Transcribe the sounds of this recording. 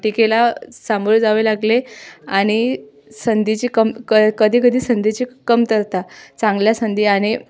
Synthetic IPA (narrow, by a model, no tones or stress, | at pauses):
ʈikelasamoɾd͡zaʋelaɡleaɽ̃i | sənd̪ʱit͡ɕikəmkəkəd̪ʱiːkəd̪ʱiːsənd̪ʱit͡ɕikəmt̪əɾt̪at͡sãŋɡljasənd̪ʱiːaɽ̃i